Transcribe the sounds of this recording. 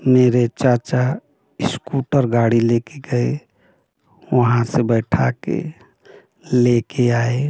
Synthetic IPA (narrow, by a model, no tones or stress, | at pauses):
meɾet͡ʃaɾt͡ʃa | skuʈəɾɡaɽilekeɡəe | ʋəɦãsebəɪʈʰakḛ | lekeae